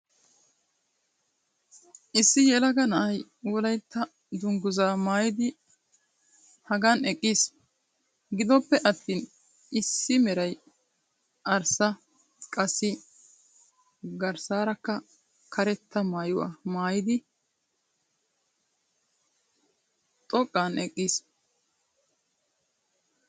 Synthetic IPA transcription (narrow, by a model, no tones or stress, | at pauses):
ʔɪsːɪjɛlɐɡɐnɐʔɐjwɔlɐjt̪ʰːɐ | d̪ʊŋɡʊzaːmaːjɪd̪ɪ | hɐɡanɛkʼːiːs | ɡɪd̪ɔpːɛʔɐt̪ːiːn | ʔɪsːɪmɛɾɐj | ʔɐɾsɐ | kʼɐsːɪ | ɡɐɾsaːɾɐkːɐ | kʰɐɾɛt̪ʰːɐmaːjʊwa̰ːmaːjɪd̪ɪ | t̪ʼɔkʼːaːnɛkʼːiːs